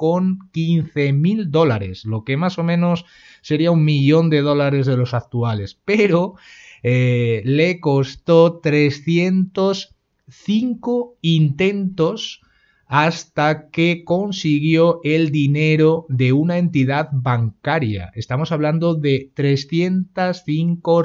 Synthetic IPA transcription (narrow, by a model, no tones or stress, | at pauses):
ko̞ŋkin̟θe̞mild̪o̞laɾe̞̰slo̞ke̞maso̞mẽ̞no̞sː | e̞ɾiauŋmiʎo̞nd̪e̞ð̞o̞laɾe̞zðe̞lo̞sak̚t̪uale̞spe̞ɾo̞ele̞ko̞st̪o̞t̪ɾe̞sθje̞nt̪os | θiŋkoint̪e̞nt̪o̞s | ast̪ake̞ko̞nsiɣ̞jo̞ʔe̞ld̪ine̞ɾo̞ðe̞unaẽ̞nt̪ið̞aðbaŋkaɾja̰e̞st̪amo̞saβ̞land̪o̞ðe̞t̪ɾe̞sθje̞nt̪asθiŋko